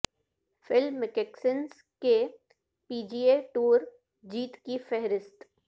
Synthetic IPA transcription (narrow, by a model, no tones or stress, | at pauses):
fɪlmːɪkeksəns | ke | piːd͡ʒiːeʈuːɾ | d͡ʒiːt̪kifɛɦɾɪst̪